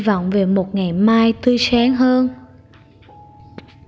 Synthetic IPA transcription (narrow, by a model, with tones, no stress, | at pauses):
vɔ̰˧˨wŋ͡mve˨˩mo˨˩t̚ŋa˨˩jmaː˧jt̪ɨ˧saː˨˦ŋɦəː˧n